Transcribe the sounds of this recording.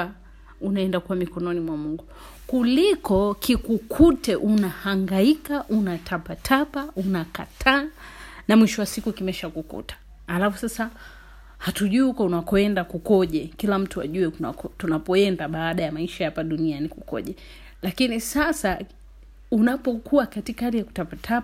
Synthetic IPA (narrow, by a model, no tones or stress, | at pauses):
unaɛndakuwamikɔnɔnimwamuŋɡu | kulikɔkikukʰutɛʔunahaŋɡaikaʔunatʰapatʰapaunakatʰaːnamwiʃɔwasikukimɛʃakukṵtḁː | lafusasa | hatuʄuihukɔunakɔɛndakukɔʄɛkilam̩tua̰ʄuɛua̰kɔtunapɔɛndaɓaːɗajamaiʃahapaɗunianikukɔ̰ʄɛ | lakinisasa | unapɔkʰuwakatikaaɾijaku̥tapatʰapa